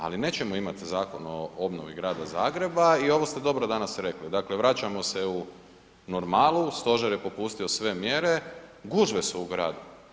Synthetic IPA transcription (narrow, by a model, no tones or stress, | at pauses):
a̰line̞ːt͡ʃe̞moimat̪izaːko̞noobno̞ʋḭɡɾaːd̪azaːɡɾe̞baio̞ʋo̞st̪ed̪o̞bɾod̪anasɾe̞klid̪akle̞ʋɾat͡ʃamo̞se̞u | no̞ɾmaːlˠust̪o̞ʒeɾje̞po̞pust̪io̞sʋe̞mje̞ɾe̞ɡuʒʋe̞suuɡɾa̰ːd̪u